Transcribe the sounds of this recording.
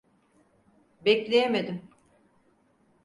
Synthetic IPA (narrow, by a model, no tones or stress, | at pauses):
bɛclʲejemed̪im